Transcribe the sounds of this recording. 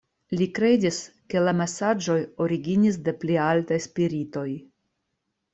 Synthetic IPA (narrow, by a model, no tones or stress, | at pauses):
likɾe̞dis | ke̞lame̞sad͡ʒo̞jo̞ɾiɡinis̬de̞plialtajspiɾito̞j